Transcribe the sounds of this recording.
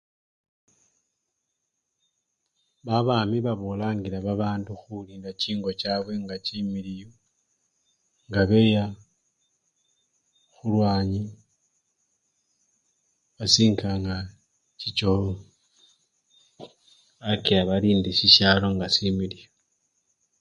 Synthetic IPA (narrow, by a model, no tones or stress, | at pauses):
βaβaːmiβaβolaːŋɡiɾaβaβaːnduxuliːndaciːŋɡo̞t͡ʃaβweŋɡat͡ʃimilijo | ŋɡaβe̞ja | xulwaːɲi | βasiːŋkʰaŋɡa | cit͡ʃo | akijaβaɾiːndiʃiʃaloŋɡasimilijo